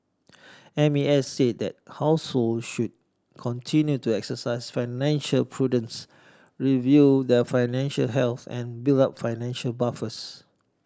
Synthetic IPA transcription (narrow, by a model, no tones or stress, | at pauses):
ɛ̃miɛsːed̚dɛ̰t̚haʊsholdʃud̚ | kʰɔ̃ntʰĩnjutuɛksəsaɪsfaɪnɛ̃nʃəlpʰɹudə̃ns | ɹivjudɛfaɪnɛ̃nʃə̰lɦɛlθɛ̰̃nbildap̚faɪnɛ̃nʃəlbafəs